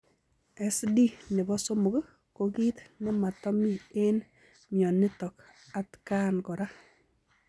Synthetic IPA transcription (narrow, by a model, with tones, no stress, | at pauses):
ɛ˨sdi˦ne˨bɔ˦so˦mʊ˨k | ko˨ki˦t̪nɛ˦ma˨tɔ˦mi˦e˦n | mjɔ˨nɪ˦tɔ˨k | a˦tka˦nkɔ˨ɾa˦